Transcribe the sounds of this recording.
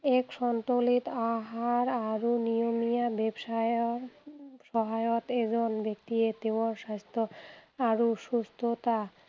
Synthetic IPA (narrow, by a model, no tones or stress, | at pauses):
ekʃɔnt̪olit̪aɦaɾaɾunijomijabebʃao | ʃɔɦajot̪ed͡ʑonbekt̪iet̪imoɾʃast̪ʰoaɾuʃust̪ʰot̪a